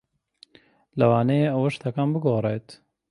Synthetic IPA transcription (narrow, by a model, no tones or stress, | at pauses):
lɐwaːnɛjeɐwɐʃt̪ʰɐkaːmbɨɡoːrˤeːt̪